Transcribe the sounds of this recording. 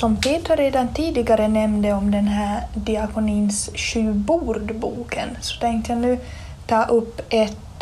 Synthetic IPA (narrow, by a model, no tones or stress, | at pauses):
sɔmpʰeːt̪əɾeːd̪ant̪ʰiːd̪ɪɡaɾənɛmnd̪əɔmd̪ɛnɦæːɾɖ̪ɪakʊniːnsɕʉ̟ːbuːɾɖ̪bṵːkʰənsɔ̥t̪ʰɛŋk̚t̪əjanʉ̟ː | t̪ʰɑːʔɵpːʔɛt̪